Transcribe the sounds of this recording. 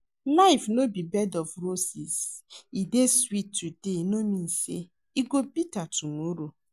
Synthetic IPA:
laɪfnobibɛdɔfɾosisideswitːudenomĩnse | iɡobitatumɔɾo

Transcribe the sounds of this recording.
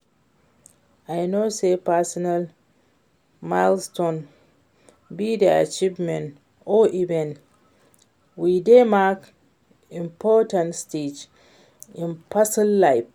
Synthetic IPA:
ajnoːsepasɔnal | malstõn | bidɛa̰t͡ʃivmɛ̃n | ɔʔibɛ̃n | widemak | ĩmpʰɔtãntsted͡ʒ | ĩnpʰasilːajf

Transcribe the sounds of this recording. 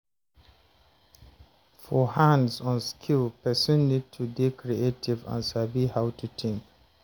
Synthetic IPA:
fɔhãndsɔ̃nskʰilpɛsɔ̃nːid̚tʰudekʰɹietʰivã̰nsabihaʊtʰutʰɪ̃ŋk

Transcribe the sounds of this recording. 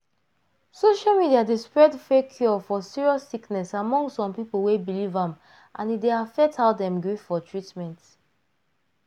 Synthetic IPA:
soʃalmidiadespɹɛdfɹekʰjɔfɔsiɹiɔsːiknɛsamɔ̃ŋɡsɔ̃mpipolwebilivãm | ʔãnideafɛtaʊdɛ̃mɡɹivfɔtʰɹitmɛ̃nt

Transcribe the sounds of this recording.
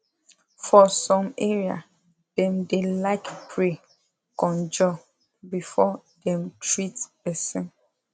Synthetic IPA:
fɔsɔ̃mɛɹia̰ | d̥ɛ̃mdelaɪkpʰɹe | kɔ̃nd͡ʒɔ | bifɔdɛ̃mtʰɹitpɛsɛ̃n

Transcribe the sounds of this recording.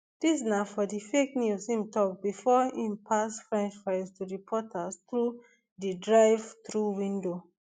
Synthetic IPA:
d̥isnafɔdifeknjushĩmtɔk̚bifɔĩmpʰasfɹɛ̃nt͡ʃfaɪstudipʰɔtʰastɹu | didɹaɪvtɹuwĩndo

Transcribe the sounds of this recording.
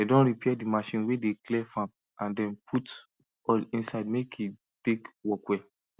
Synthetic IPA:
edɔ̃nɾipʰɛdimaʃĩnwedeklɛfãm | ãndɛ̃npʰut | ɔlĩnsaɪdmekʰju | tekwɔkwɛ

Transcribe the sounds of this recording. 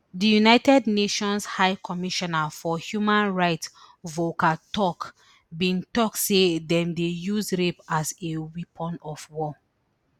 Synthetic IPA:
dijunaɪtɛdneʃɔ̃nshaɪkʰɔmiʃɔnafɔhjumãnɹaɪts | vokatɔk | bĩntɔksedɛ̃mdejuzɹepasewipʰɔ̃nɔfwɔ

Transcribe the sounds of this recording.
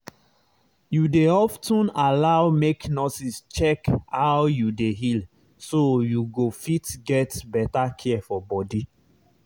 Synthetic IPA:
judeɔftɔ̃nalaʊmeknɔsist͡ʃɛkhawjudeɦil | sojuɡofitɡɛtbɛtakʰɛɛfɔbɔdi

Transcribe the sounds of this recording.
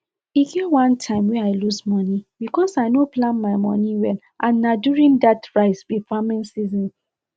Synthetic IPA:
iɡiwãntʰãɪ̃mwɛaɪlusmɔnibikɔsaɪnoplãnmaɪmɔ̰niwɛl | ʔãnːaduɹĩndatɹaɪsbifamɛ̃nsizɔ̃n

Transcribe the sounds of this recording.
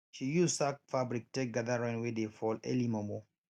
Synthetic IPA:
ʃijusafabɹik̚tek̚ɡaðaɹɛ̃nwedefɔlɛ̰limɔmo

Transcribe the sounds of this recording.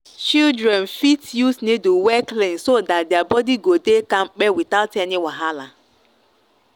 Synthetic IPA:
t͡ʃildɾɛnfitjusneduwɛklĩnsodatdɪabɔdiɡodekaŋ͡m̩k͡pɛwitaʊtɛnɪwaɦala

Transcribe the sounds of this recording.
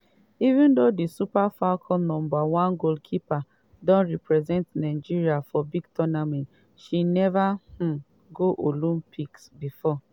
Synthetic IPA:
ivũndodisupafakʰɔlnɔ̃mbawãnɡoldkʰipa | dɔ̃nɹɛpɹɛzɛ̃ntnaɪd͡ʒiɾiafɔbiɡtɔnamɛ̃nt | ʃinɛvah̩ | ɡoʔolũmpʰiksbifɔ

